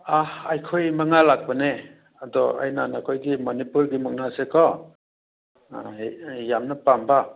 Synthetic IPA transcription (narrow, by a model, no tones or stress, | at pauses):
ahajkʰojmaŋalak̚bəne | adɔa̰jnanakʰojɡimɔnipulɡimuk̚nasekʰɔ | jamnɐpamba